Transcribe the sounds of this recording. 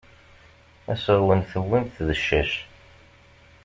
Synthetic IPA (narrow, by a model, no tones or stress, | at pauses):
æsəʁwənθəwːinθðəʃːæʃ